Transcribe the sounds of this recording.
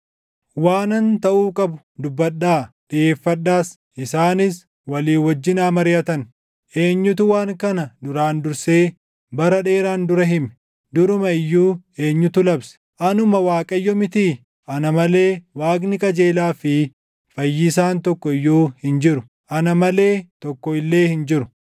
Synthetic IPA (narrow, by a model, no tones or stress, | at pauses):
waːnɐnt̪ɐʔuːkʼɐbʊ | d̪ʊbːɐɗːaːᶑɪeːfːɐɗːaːs | ʔɪsaːnɪs | wɐliːwɔd͡ʒːɪnaːmɐɾɪjɐt̪ɐn | ʔeːɲːʊt̪ʊwaːŋkɐnɐd̪ʊɾaːnd̪ʊɾse̞ː | bɐɾɐᶑe̞ːɾaːnd̪ʊɾɐɦɪmɛ̥ | d̪ʊɾʊmɐɪjːuːe̞ːɲːʊt̪ʊlɐbsɐ̥ʔɐnʊmɐwaːkʼɐjːɔmɪt̪iː | ʔɐnɐmɐle̞ːwaːknɪkʼɐd͡ʒe̞ːlaːfɪ | fɐjːɪsaːnt̪ɔkːɔɪjːuːhɪnd͡ʒɪɾʊ | ʔɐnɐmɐle̞ːt̪ɔkːɔɪlːeːhɪnd͡ʒɪɾʊ̥